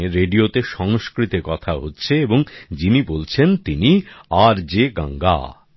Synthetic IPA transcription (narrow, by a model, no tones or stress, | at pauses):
eɾeɖiot̪eʃɔŋʃkɾit̪ekɔt̪ʰaɦotːɕʰeeboŋd͡ʑinibolt͡ɕʰent̪iniaɾd͡ʑeɡa̰ŋɡa̰